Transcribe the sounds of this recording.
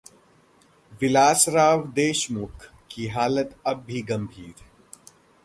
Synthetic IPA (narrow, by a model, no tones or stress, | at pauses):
ʋɪlaːsɾaːʋd̪eːʃmʊkʰ | kiɦaːlət̪ɐbːiɡɐ̃mbʱiːɾ